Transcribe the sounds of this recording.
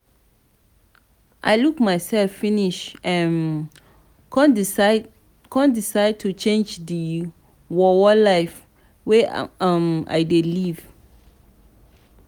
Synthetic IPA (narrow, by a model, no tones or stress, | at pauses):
ʔajlukmajsɛlfːiniʃãn | kɔ̃n | kʰɔ̃ndisaɪd̚tʰut͡ʃẽnd͡ʒdi | wɔwɔlaɪf | wema̰jdeliv̥